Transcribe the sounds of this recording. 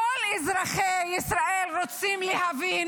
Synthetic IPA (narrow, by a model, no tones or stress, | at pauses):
olizʁaχejisʁaelʁot͡simlihavin